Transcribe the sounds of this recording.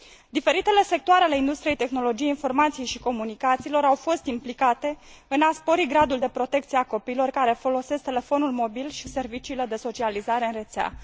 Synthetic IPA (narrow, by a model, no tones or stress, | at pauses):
d̪ife̞ɾit̪e̞le̞se̞k̚t̪oaɾeale̞ind̪ust̪ɾije̞jt̪e̞xno̞lo̞d͡ʒije̞info̞rmat̪sijejʃiko̞munikat̪silo̞ɾawfo̞st̪implikat̪e̞ɨnaspo̞ɾiɡɾad̪uld̪e̞pɾo̞t̪e̞k̚t̪sieako̞piːlo̞rkaɾe̞fo̞lo̞se̞sk̚t̪e̞le̞fo̞nulmo̞bilʃise̞rvit͡ʃiːle̞d̪e̞so̞t͡ʃializaɾe̞ɨnre̞t̪sea̰